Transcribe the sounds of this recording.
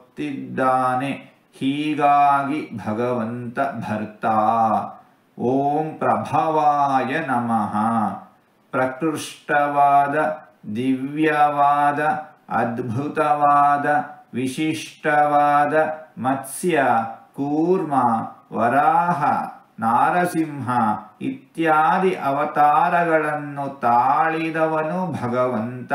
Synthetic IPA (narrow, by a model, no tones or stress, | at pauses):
t̪id̪ːaːne | hiːɡaːɡibʱɐɡɐʋɐnt̪ɐbʱɐɾt̪a | oːmpɾɐbʱɐʋaːjɐnɐmɐɦɐ | pɾɐkɾuʂʈɐʋaːd̪ɐ | d̪iʋjɐʋaːd̪ɐɐ̰d̪bʱut̪ɐʋaːd̪ɐʋiʃiʂʈɐʋaːd̪ɐmɐt̪sjɐkuːɾmɐʋɐɾaːɦɐ̰ | naːɾɐsimɦɐit̪jaːd̪iʔɐʋɐt̪aːɾɐɡɐɭɐnːut̪aːɭid̪ɐʋɐnubʱɐɡɐʋɐnt̪ɐ